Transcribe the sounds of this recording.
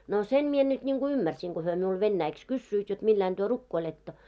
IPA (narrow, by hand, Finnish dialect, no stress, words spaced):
no sem mie nyt nʲiŋɡ̊u ymːærsiŋ ɡ̊o hyø miul ʋenːæiks kysːyit jot milːæin d̥yø rukːoiletːo